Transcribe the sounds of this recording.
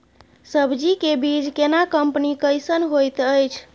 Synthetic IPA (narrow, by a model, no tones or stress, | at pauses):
səbd͡ʒikebid͡ʒkenakəmpnikəjsənɦojt̪əjt͡ʃʰ